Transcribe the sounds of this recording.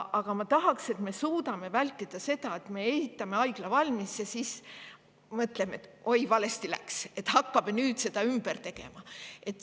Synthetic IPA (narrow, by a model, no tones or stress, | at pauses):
ʔɑɡ̥ɑmɑt̪ɑɦɑkse̞t̪me̞suːd̪ɑme̞vælʲt̪ːˑid̪̥ɑse̞d̪̥ɑe̞t̪me̞esit̪ːˑɑme̞ɑjɡ̥lɑvɑlʲmisːesis | mɤt̪ˑleme̞t̪ːˑʔojvɑle̞st̪ilæ̰kse̞t̪ːˑhɑkːɑb̥enyːd̪̥se̞d̪ɑymb̥ert̪e̞ɡ̥e̞̰mɑe̞t̪ːˑ